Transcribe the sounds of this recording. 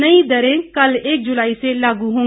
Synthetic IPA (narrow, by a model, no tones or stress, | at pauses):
nəĩd̪əɾẽːkəleːk̚d͡ʒʊlaːiːselaːɡuɦõː